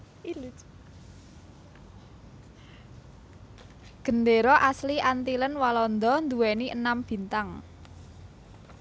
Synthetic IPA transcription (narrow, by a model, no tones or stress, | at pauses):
il | ɡ̥ə̤nd̪eɾɔʔasliʔant̪ilənwalɔnd̪ɔnd̪uwɛniʔənamb̥i̤nt̪aŋ